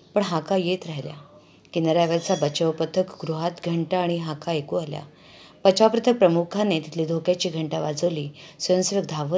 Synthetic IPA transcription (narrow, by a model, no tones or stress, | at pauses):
pəɳɦakajet̪ɾaɦlja̰ | kinaɾjaʋaɾt͡sabət͡ɕəʋpət̪ʰəkɡɾuɦat̪ɡʱəɳʈaːɽ̃iɦakaekualja̰ | b̥ət͡ɕapɾət̪ʰək̚pɾəmukʰãnet̪it̪ʰliːd̪ʱokjat͡ɕiːɡʱəɳʈaʋad͡zəʋliːsʋəjə̃nsʋək̚d̪ʱaʋə